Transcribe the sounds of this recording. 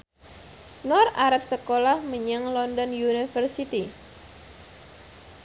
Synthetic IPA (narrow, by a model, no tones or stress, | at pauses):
nɔraɾap̚səkolahməɲaŋlɔndɔnjunifərsit̪i